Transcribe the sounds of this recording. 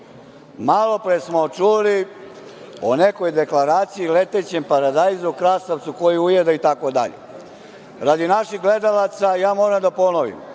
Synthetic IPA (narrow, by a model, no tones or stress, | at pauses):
malˠo̞pɾesmot͡ʃuli | onekojd̪e̞klˠaɾaːt̪sijilet̪et͡ɕempaɾad̪ajzaukɾast̪aʋt̪suko̞jiujed̪ait̪akod̪a̰ʎḛ | ɾad̪inaʃiɣɡled̪alat̪sajaːmoːɾamd̪apo̞noʋḭm